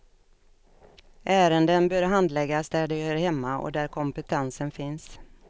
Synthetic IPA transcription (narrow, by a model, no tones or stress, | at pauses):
ʔæːɾənd̪ənbœːɾɦand̪lɛɡːasd̪æɖɛhœːɾhɛmːaɔ̰d̪æɾkʰɔmpət̪ʰɛnsənfɪns